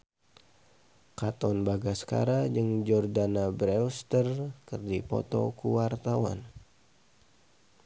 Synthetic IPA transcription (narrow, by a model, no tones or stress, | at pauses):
kat̪ɔnbaɡasə̥ka̰ɾad͡ʒəŋd͡ʒɔrdanabɾɛust̪ərkərdipɔ̰t̪ɔ̰kuwart̪awa̰n